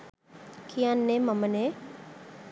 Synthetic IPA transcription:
kʰijanːemɐməne

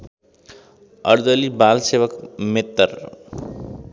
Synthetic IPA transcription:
ʌ̰ɾd̪əlibaːlseʋəkmet̪ːəɾ

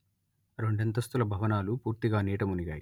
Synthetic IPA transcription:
ɾe̞ɳɖent̪ɐst̪ulɐbʱɐʋɐnaːlupuːɾt̪iɡaːniːʈɐmuniɡa̰ːjḭ

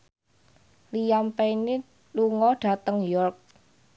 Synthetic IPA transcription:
lijampɛni | luŋɔɖ̥a̤t̪əŋjɔrk̚

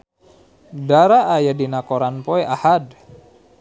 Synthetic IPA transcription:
daɾaʔːjadinakoɾanpɔɛʔahad

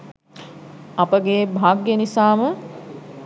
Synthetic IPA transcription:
ɐpəɡeːbʱaːɡjənisaːmə

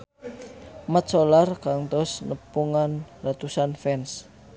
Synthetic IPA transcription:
mət̪solarkaŋt̪ɔsnəpuŋanrat̪usanfɛns

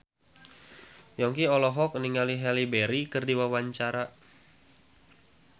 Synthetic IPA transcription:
jɔŋkiɔlɔɦɔk̚niŋaliɦɛlibeɾikɨrdiwawaɲt͡ʃaɾa

